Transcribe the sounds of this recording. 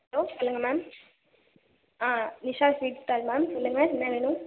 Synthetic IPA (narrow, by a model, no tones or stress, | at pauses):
hɐloːsɔlːɯŋɡɐmaːm | aːnɪʂaːfʋiːʈt̪ːaːlmaːmsɔlːɯŋɡɐɛnːɐʋeːɳʊm